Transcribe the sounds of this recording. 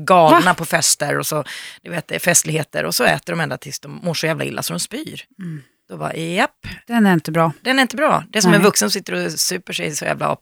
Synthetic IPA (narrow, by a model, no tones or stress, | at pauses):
ɡɑːlnapʰɔfɛst̪əɾɔsɔd̪ɵveːt̪̚d̪ɛfɛst̪lɪɡheːt̪ə̰ɾʔɔ̰sɔɛ̰ːt̪əɖɔmɛnd̪at̪ʰɪlsd̪ɔmːoːʂɔjæːvlaɪlːa̰sɔd̪ɔmspyːɾ | d̪̥ɔbɑ̰ːjɛpːd̪ɛnæɾɪnt̪əbɾɑːd̪ɛnæɾɪnt̪əbɾɑ̰ːd̪ɛsɔmmæɾvɵksəns̬ɪt̪ːəɾɔsʉ̟ːpəʂɛjsɔjæ̰ːvla̰ɔ̰ː